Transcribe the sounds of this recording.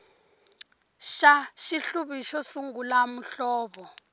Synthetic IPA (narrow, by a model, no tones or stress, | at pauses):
ʃaʃiɬuβiʃɔsuŋɡulamuɬɔːɓɔ